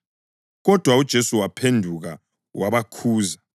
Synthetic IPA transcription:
ɣɔd̥ʱwaud̥ʒ̥ʱesuwapʰendʱuɣa | wʔaβakʰuːza

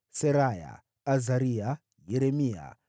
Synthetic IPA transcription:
seɾaja̰ | azaɾia | jeɾemija̰

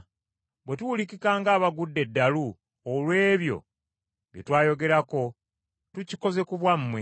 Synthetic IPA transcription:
bwe̞tuwulikikaːŋɡaːβaɡudːe̞dːalu | olwe̞ːβjo̞̰ | βjḛtwaːjo̞ɡe̞ɾako̞ | tuciko̞ze̞kuβwamːwe

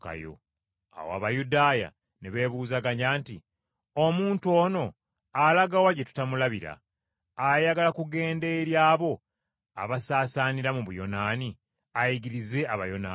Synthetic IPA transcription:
ka̰jo̰ | a̰wa̰βajudaːja̰ | neβe̞ːβuːzaɡaɲɟaːnti | omuːntuo̞ːno̞ | alaɡawaɟetu̥tamulaβiɾa̰ | ajaɡalakuɡe̞ːnde̞ɾjaːβo̞ | a̰βasaːsaːniɾamuβujo̞̰naːni | ajiɡiɾize̞aβa̰jo̞naː

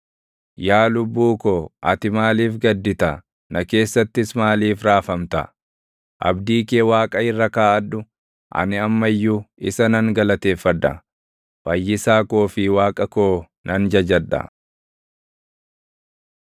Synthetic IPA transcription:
jaːlʊbːuːkoːʔɐ̰t̪ɪmaːliːfɡɐd̪ːɪt̪ɐ | nɐke̞ːsːɐt̪ːɪsmaːliːfɾaːfɐmt̪ɐ̰ | ʔɐ̰bd̪iːkeːwaːkʼɐɪrːɐkaːʔɐᶑʊ | ʔɐ̰nɪɐmːɐjːuɪsɐnɐŋɡɐlɐt̪e̞ːfːɐᶑ̪ːɐ̰ | fɐjːɪsaːko̞ːfɪwaːkʼɐkoː | nɐnd͡ʒɐd͡ʒɐᶑɐ̰

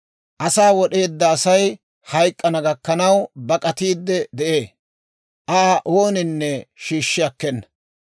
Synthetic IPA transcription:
ʔɐsaːwɔɗe̞ːd̪ːɐːsɐj | hɐjkʼːɐnɐɡɐkːɐnɐwbɐkʼɐt̪iːd̪ːɛd̪ɛʔe̞ː | ʔaːʔoːnɪnːɛʃiːʃːɪɐkːɛnːɐ̥

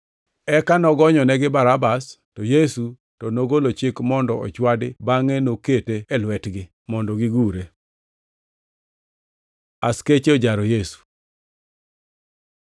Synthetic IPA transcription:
ɛkanɔɡɔɲɔnɛɡɪbaɾabastɔjesu | tɔnoɡolot͡ʃɪkmɔndɔɔ̰t͡ʃwadɪbaŋenoketeːlwɛtɡɪ | mɔndɔɡɪɡuɾe | asket͡ʃod͡ʒaɾojesu̥

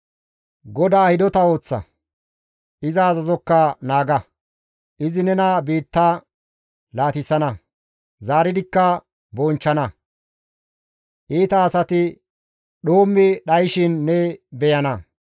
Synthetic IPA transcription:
ɡɔd̪aːhɪd̪ɔt̪ɐo̞ːt͡sːɐ̰ | ɪzɐːzɐzɔkːɐnaːɡɐ | ʔɪzɪnɛnɐbiːt̪ːa | laːt̪ɪsːɐnɐ | zaːɾɪd̪ɪkːɐ | bɔːnt͡ʃːɐnɐ | ʔiːt̪ɐːsɐt̪ɪ | ɗoːmːɪɗɐjʃɪnːɛbɛjɐnɐ

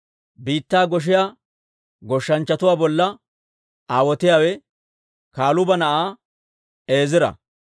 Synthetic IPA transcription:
biːt̪ːaːɡɔʃ̬ɪjaː | ɡɔʃːɐnt͡ʃːɐt̪ʊwaːbɔlːɐ | ʔaːwɔt̪ɪjaːwɛ | kaːlʊbɐnɐʔaː | e̞ːzɪɾɐ̰

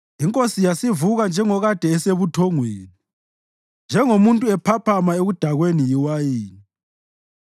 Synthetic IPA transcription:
iŋkʼosijasivuɣand͡ʒʱɛŋɔɣad̥ʱɛːseβutʰɔŋweːni | nd͡ʒʱɛŋomuntʼuɛpʰapʰamaeɣud̥ʱaɣwenijiwajiːni

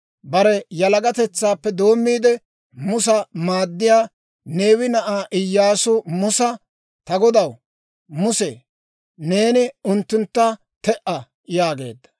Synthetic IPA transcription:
bɐɾɛjɐlɐɡɐt̪ɛt͡sːaːpːɛd̪o̞ːmːiːd̪ɛ | mʊsɐmaːd̪ːɪjaː | ne̞ːwɪnɐʔaːʔɪjːaːsʊmʊsɐ | t̪ɐɡɔd̪ɐw | mʊsɛ | ne̞ːnɪʊnt̪ːʊnt̪ːɐ | t̪ɛʔɐ | jaːɡe̞̰ːd̪ːɐ̥

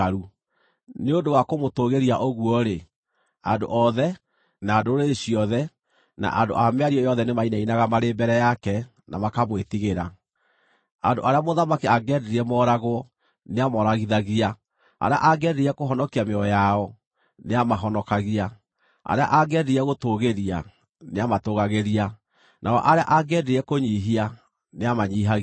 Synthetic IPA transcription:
aɾu | neondowakomotoɣeɾiaʔoɣuɔɾe | ando̰ʔɔðɛ | naːdoɾeɕiɔðɛ | na̰ʔando̰ʔameaɾiɔjɔðɛnemainainaɣamaɾembɛɾɛjakɛ | na̰makamwetiɣeɾa | andoʔaɾeamoðamakeaɡɛɾeɾɛmɔɾaɣwɔ | neamɔɾaɣiðaɣia | a̰ɾea̰ʔaɡɛdeiɛkoɦɔnɔkiameɔjaɔ | neamaɦɔnɔkaɣia | a̰ɾea̰ʔaɡɛdeiɛɣotoɣeɾia̰ | neamatoɣaɣeɾia | nʔaɔ̰ʔaɾea̰ʔaɡɛdeiɛkoɲiɦia | neamaɲiːɦa

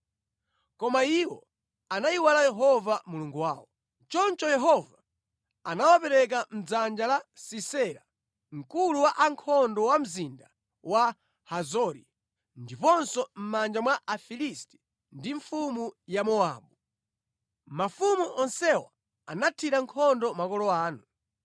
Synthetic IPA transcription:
kɔmaiwɔ | anajiwalajɛɦɔvamuluŋɡuwaːwɔ | t͡ʃɔnt͡ʃɔjɛɦɔva | anawapɛɾɛk̬am̩d͡zand͡ʒalasisɛɾa | ŋ̩kuluwaʔaŋkʰɔndɔwam̩zinda | wa | hazɔɾi | ndipɔnsɔm̩mand͡ʒamwaʔafilistɛ̥ | ndiɱfumujamɔaːɓu | mafumuʔɔnsɛwa | anatʰiɾaŋkʰɔndɔmakɔlɔaːnu

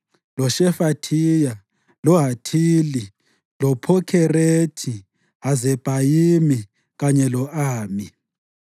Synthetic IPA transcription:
lɔʃɛfatʰija | lɔɦatʰiːli | lɔpʰɔkʰɛretʰi | ɦazɛb̥ʱajimi | ɣaɲɛlɔʔaːmi

